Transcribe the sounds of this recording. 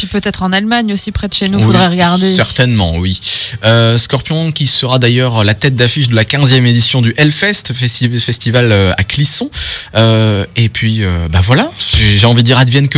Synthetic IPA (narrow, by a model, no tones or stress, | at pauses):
pɥipøt̪ɛt̪χɑ̃nalmaɲosipχɛd̪əʃenuvud̪ʁɛʁəɡaʁd̪esɛʁt̪ɛnmɑ̰̃wiøskɔʁpjɔ̃kʲisəʁad̪ajœʁlat̪ɛt̪̚d̪afiʃd̪əlakʲɛ̃zjɛmed̪isjɔ̃d̪yʔɛlfɛst̪ɛifɛst̪ivaløa̰klisɔ̃øepɥiøbavwalaʒeʒeɑ̃vid̪d̪ːiʁad̪vjɛnkə